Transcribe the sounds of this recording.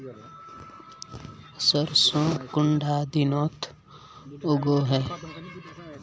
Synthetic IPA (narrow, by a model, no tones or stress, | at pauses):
səɾsõːkʊɳɖʱaːd̪ɪnoːt̪ʰ | ʊɡoːɦɛː